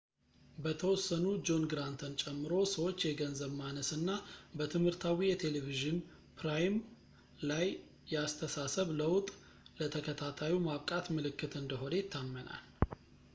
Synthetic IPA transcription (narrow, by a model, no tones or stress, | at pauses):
bət̪ʰəwɔsːənud͡ʒo̞nɡɾant̪ʰənt͡ʃʼɛmːɨɾo̞səwo̞t͡ʃːjɛɡənzəβmanəsɨnːabət̪ʰɨmhɨɾt̪ʰawijɛt̪ʰe̞leviʒɪn | pɾajm | lajː | ɛast̪ʰəsasəβləwt̪ʼ | lət̪ʰəkʰət̪ʰat̪ʰajimaβkʼat̪mɨlɨkːɨt̪ɨnd̪əɦo̞nejt̪ʰːamːəna̰l